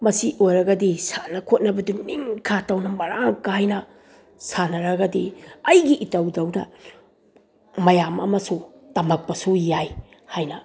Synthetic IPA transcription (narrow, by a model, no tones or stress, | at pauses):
mɐsiʔojɾɐɡɐdisanɐkʰot̚nɐbɐduniŋkʰatɐwnɐmɐɾaŋkaajnɐ | sanɐɾɐɡɐdiɐjɡiʔitɐwdɐwdɐ | mɐjamɐ̰mɐsutɐmɐk̚pɐsujaj | hajnɐ